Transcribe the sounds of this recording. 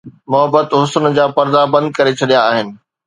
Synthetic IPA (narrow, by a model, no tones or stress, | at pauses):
mʊɦəbət̪ɦʊsənd͡ʑaːpɐɾd̪abɐ̃nd̪̚kɐɾet͡ɕʰɐɗijaːɦɪnɪ̆